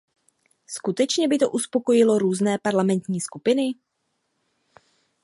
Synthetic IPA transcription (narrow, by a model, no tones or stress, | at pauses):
skut̪ɛt͡ʃɲɛbɪt̪o̞ʔuspo̞ko̞jɪlo̞ɾuːznɛːpaɾlamɛnt̪ɲiːskupɪnɪ